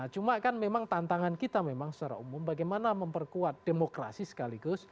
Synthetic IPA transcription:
t͡ʃumakanmemaŋt̪ant̪aŋankit̪amemaŋsət͡ʃaɾa̰umʊmbaɡajmanaməmpərkuat̪̚d̥emokɾa̰sisə̥kaliɡʊs

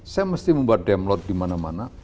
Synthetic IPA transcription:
sajaməst̪iməmbuat̪̚dɛmlɔt̪̚d̥imanamana

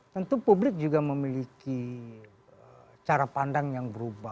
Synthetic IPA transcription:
t̪ənt̪upublɪk̚d͡ʒuɡaməmiliki | ə | t͡ʃaɾapandaŋjaŋbəɾuba

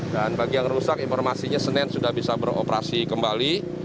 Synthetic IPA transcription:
danbaɡijaŋrusakinfɔrmasiɲasənɛnsudahbisabəɾo̰pɾa̰sikəmbali

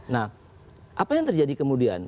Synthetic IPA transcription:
nah | ʔapajaŋt̪ərd͡ʒadikəmudia̰n

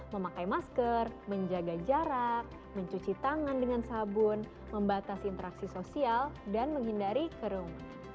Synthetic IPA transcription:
məmakajmaskərməɲd͡ʒaɡad͡ʒaɾak̚ | məɲt͡ʃut͡ʃit̪aŋandəŋansabʊn | məmbat̪asːnt̪əɾaksisosialdanməŋɦindaɾikəɾʊŋ

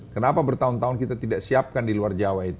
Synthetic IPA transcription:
kənapabərt̪aʊnt̪aʊnkit̪at̪idaʔsiap̚kandiluard͡ʒawait̪u

